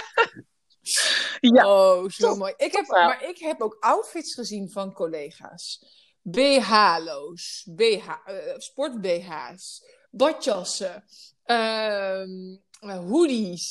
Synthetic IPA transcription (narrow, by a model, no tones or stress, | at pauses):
jaosomojɪkhɛpmaɹɪkɦɛpoːkɔwtfɪtsχəzinfɔnkoleːχa̰ːs | beːɦaːlowsbeːɦaspɔɹtbeːɦa̰ːs | bɔcɔsə | ə | ɦudis